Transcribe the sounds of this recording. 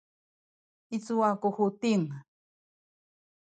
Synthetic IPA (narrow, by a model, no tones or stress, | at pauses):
it͡suakuxut̪iŋ